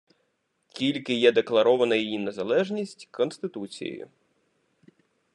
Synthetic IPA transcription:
kʲilʲkɪjɛd̪e̞klˠɐɾɔʋɐnɐjijine̞zɐlˠɛʒnʲisʲtʲkɔnst̪ɪt̪ut͡sʲḭj̰jʊ̰

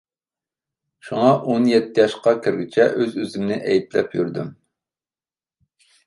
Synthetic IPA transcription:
ʃuŋɑʔonjɛt̪ʰːɪjɑʃqɑkʲʰɪɾɡʲit͡ʃʰɛʔøzøzɪmnɪʔɛjit̪lɛ̰pʰjyɾd̪ym

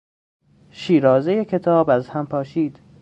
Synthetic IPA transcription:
ʃiːɾɒːzejecʰe̞t̪ʰɒːbæzhæmpʰɒːʃiːd̪̥

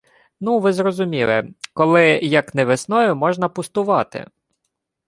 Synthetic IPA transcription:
nuʋɪzɾɔzʊmʲilˠɪ̰kɔlˠɪjɐknɛʋɪsnɔjʊmɔʒnɐpʊst̪ʊʋɑt̪ɪ̰

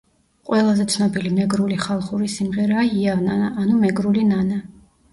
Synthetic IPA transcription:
qʼwɛlˠazɛt̪sʰnɔbilimɛɡɾuliχalˠχuɾisimʁɛɾaːiavnaaːnumɛɡɾulinana

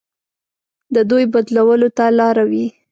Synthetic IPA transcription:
d̪əd̪ujbad̪lawəlot̪alɑɾawi

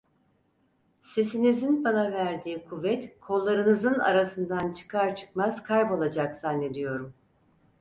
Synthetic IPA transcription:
se̞sinizinbanavæɾd̪iːkʰuvɛt̪kʰo̞lˠːaɾɯnɯzɯna̰ɾasɯnd̪ant͡ʃʰɯ̥kʰaɾt͡ʃʰɯ̥kmaz̥kʰajbo̞lˠad͡ʒakz̥anːe̞d̪ijo̞ɾum

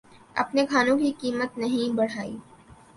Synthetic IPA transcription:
ɐ̰pnekʰaːnõkikiːmət̪nɐɦĩbɐɽ̤aːḭː

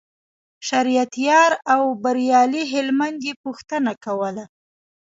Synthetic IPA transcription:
ʃaɾijat̪jɑɾawbaɾjɑliɦɪlmand̪jepuxt̪ənakawəla

